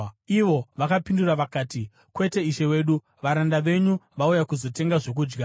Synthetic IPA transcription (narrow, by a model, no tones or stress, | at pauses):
iʋo̞ʋakapinduraʋakaːti | kwe̞te̞iʃe̞we̞ːɗu | ʋaɾandaʋe̞ɲuʋaujakuzo̞te̞ŋɡaʐo̞k̬uːd͡ʒɡa